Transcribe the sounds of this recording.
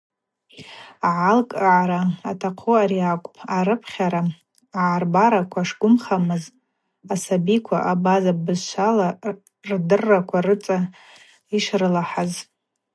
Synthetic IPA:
aʕalkʼʕaɾaatʰaqʷʰuaɾiakʷʼpʰʼaɾɨpʰχʲaɾa | aʕarbaɾakʷʰaʂɡʷʊmχamɨz | asabikʷʰa̰ʔabazabɨzʃʷʰala | rdɨrːakʷʰarɨt͡sʼa | iʃrɨlaħaz

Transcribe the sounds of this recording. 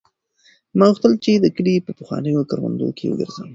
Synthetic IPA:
mɑɣuxt̪əlt͡ʃed̪əkəɽipəpəxwɑ̰nəjokaɾwa̰nd̪o̰kʰewə̰ɡə̰ɾzəw

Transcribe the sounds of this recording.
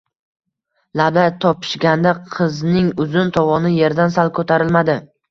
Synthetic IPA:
labat̪ʰɒpʰɪ̥ʃɡʲand̪aqʰɨznɪŋʊzʊnt̪ʰɒvɒnɪje̞ɾd̪ansalˠkʰɵt̪ʰaɾɪlmad̪ɪ

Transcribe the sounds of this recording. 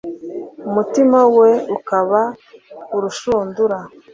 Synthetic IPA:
umutimawe̞ukaβauɾuʃuːnduɾa

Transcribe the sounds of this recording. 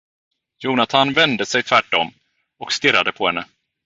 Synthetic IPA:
juːnat̪ʰanvɛnd̪əsɛjt̪ʰvæʈːɔm | ɔkst̪ɪɾad̪əpʰɔhɛnːə

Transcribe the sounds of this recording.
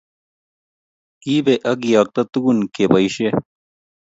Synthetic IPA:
kiːbeʔɐɡijaːk̚t̪ɐt̪uɡunkebɐiɕe

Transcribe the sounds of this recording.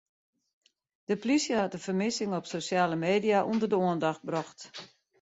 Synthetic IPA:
d̥əplisjəatənfərmɪsɪŋɔpsosjaːləmeːdiaʔundərdəoəndaxt̚brɔxt

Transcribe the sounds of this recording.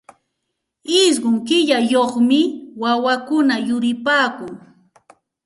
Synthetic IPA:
ɪs̬ɢʊŋkɪʎajoχmɪwawakʊnajʊɾɪpaːkʊŋ

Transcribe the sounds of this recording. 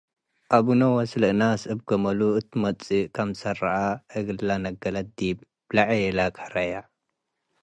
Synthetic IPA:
ʔaβunɐwɐslɨʔnasɨb̚ɡɐmɐluɨt̪ʰɨmɐt͡sʼːikʰɐmsɐɾaʔaʔɨɡɨllanɐɡɐlɐt̪̚d̪ib | blaʕjelakʰḁɾɐja

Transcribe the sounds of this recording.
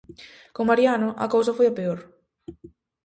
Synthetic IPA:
koŋmaɾianʊʔɐkowsɐfojapeoɾ

